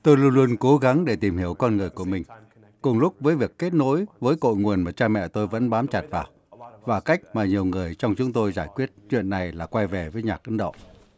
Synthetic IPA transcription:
t̪o˧jlu˧ənlu˧ənko˨˦ɣa˨˦ŋɗe˧˩t̪i˨˩mhi˧˩əwkɔ˧nŋɨ˨˩əjku˧˩əmï˨˩ŋ̟ | kʊ˨˩ŋ͡mlʊ˦˥k͡p̚vəː˨˦jvi˨˩əkːe˦˥t̚no̰˧˥jvəː˨˦jko̰˧˨jŋu˨˩ənmaː˨˩t͡ɕaː˧mɛ̰˧˨t̪o˧jvə̰˧˥nɓaː˨˦mt͡ɕa˨˩t̚vaː˨˩w | vaː˨˩ka˦˥jk̟̚maː˨˩ɲi˨˩əwŋɨ˨˩əjt͡ɕɔ˧wŋ͡mt͡ɕʊ˨˦ŋ͡mt̪o˧jzaː˧˩jkwi˦˥ət̚t͡ɕwḭ˧˨ənːa˨˩jlaː˨˩kwa˧jvɛ˨˩vəː˨˦jɲaː˨˩k̚ʔə˨˦nɗo̰˧˨

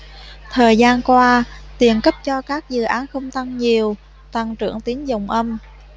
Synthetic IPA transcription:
t̪ʰəː˨˩jzaː˧nkwaː˧t̪i˨˩ənkə˦˥p̚t͡ɕɔ˧kaː˦˥k̚zɨ̰˨˩ʔaː˨˦nxə˧wŋ͡mt̪a˧ŋɲi˨˩əw | t̪a˧ŋt͡ɕɨ̰˧˩əŋt̪i˨˦ənzə˨˩wŋ͡mʔə˧m

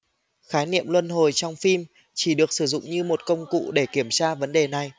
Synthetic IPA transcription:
xaː˨˦jnḭ˧˨əmlwə˧nɦo˨˩jt͡ɕɔ˧wŋ͡mfi˧m | t͡ɕi˧˩ɗɨ˨˩ək̚sɨ˧˩zʊ̰˧˨ŋ͡mɲɨ˧mo˨˩t̚kə˧wŋ͡mkṵ˧˨ɗe˧˩ki˧˩əmt͡ɕaː˧və˨˦nɗe˨˩na˨˩j

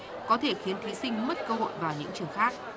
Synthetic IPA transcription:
kɔ˨˦t̪ʰe˧˩xi˨˦ənt̪ʰi˨˦sï˧ŋ̟mə˦˥t̚kəː˧ɦo̰˧˨jvaː˨˩wɲɨ̰˧˥ŋt͡ɕɨ˨˩əŋxaː˦˥k̚

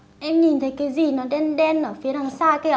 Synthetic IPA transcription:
ʔɛ˧mɲi˨˩nt̪ʰə˨˦jka˨˦zi˨˩nɔ˨˦ɗɛ˧˦nɗɛ˧˦nʔəː˧˩fi˨˦ɗa˨˧˩ŋsaː˧˩ka˧˦˨

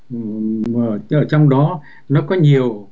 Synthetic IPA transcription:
əː˨˩ʔəː˧˩t͡ɕɔ˧wŋ͡mɗɔ˨˦ | nɔ˨˦kɔ˨˦ɲi˨˩əw

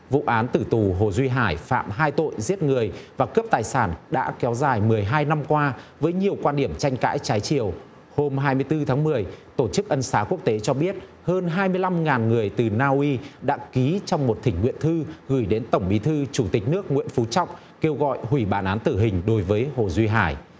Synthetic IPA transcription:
vṵ˧˨ʔaː˨˦nt̪ɨ˧˩t̪u˨˩ɦo˨˩zwi˧ɦaː˧˩jfa̰ː˧˨mɦaː˧jt̪o̰˧˨jzi˦˥t̚ŋɨ˨˩əjvaː˨˩kəː˦˥p̚t̪aː˨˩jsaː˧˩nɗa̰ː˧˥kɛ˨˦wzaː˨˩jmɨ˨˩əjɦaː˧jna˧mkwaː˧vəː˨˦jɲi˨˩əwkwaː˧nɗi˧˩əmt͡ɕa˧jŋ̟ka̰ː˧˥jt͡ɕaː˨˦jt͡ɕi˧˩əw | ho˧mɦaː˧jmɨ˧əjt̪ɨ˧t̪ʰaː˨˦ŋmɨ˨˩əjt̪o˧˩t͡ɕɨ˦˥k̚ʔə˧nsaː˨˦ku˦˥ək̚t̪e˨˦t͡ɕɔ˧ɓi˦˥ət̚ | həː˧nɦaː˧jmɨ˧əjla˧mŋaː˨˩nŋɨ˨˩əjt̪ɨ˨˩naː˧ʔwi˧ɗa̰ː˧˥ki˨˦t͡ɕɔ˧wŋ͡mmo˨˩t̚t̪ʰï˧˩ŋ̟ŋwḭ˧˨ənt̪ʰɨ˧ɣɨ˧˩jɗe˨˦nt̪ə˧˩wŋ͡mɓi˨˦t̪ʰɨ˧t͡ɕu˧˩t̪ï˨˩k̟̚nɨ˦˥ək̚ŋwḭ˧ənfu˨˦t͡ɕɔ̰˧˨wŋ͡m | ke˧wɣɔ̰˧˨jhwi˧˩ɓaː˧˩nʔaː˨˦nt̪ɨ˧˩ɦï˨˩ŋ̟ɗo˨˦jvəː˨˦jho˨˩zwi˧ɦaː˧˩j

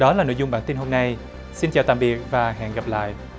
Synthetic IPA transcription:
ɗɔ˨˦laː˨˩no̰˧˨jzʊ˨˩ŋ͡mɓa̰ː˧˩nt̪i˧nɦo˧mna˧j | si˧nt͡ɕaː˨˩wt̪a̰ː˧˨mɓi˨˩ək̚vaː˨˩ɦɛ̰ː˧˨nɣa˨˩p̚la̰ː˧˨jʔ

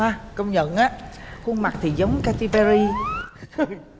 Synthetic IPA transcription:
aː˧kə˧wŋ͡mɲə̰˧˨nʔaː˦˥hu˧əŋma˨˩t̪ʰi˨˩zə˨˦wŋ͡mka˧t̪i˧ɓɛ˧ɾi˧˨˧ | j

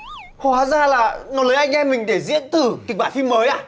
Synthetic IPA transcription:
ho˨˩haː˨˦zaː˧laː˨˩nɔ˨˦ləː˨˦ʔa˧jŋ̟ʔɛ˧mï˨˩ŋ̟ɗe˧˩zḭ˧˥ənt̪ɨ˨˩ki˨˩k̚ɓaː˧˩nfi˧məː˨˦jʔaː˧

